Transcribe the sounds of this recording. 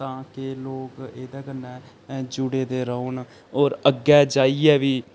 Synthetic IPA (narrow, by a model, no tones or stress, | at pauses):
t̪ãːkeloːkeːd̪aːɡənːɛ̃ː | d͡ʒʊɽeːd̪eːɾəoːn | oːɾəɡːɛːd͡ʒaːiːɛːʋiː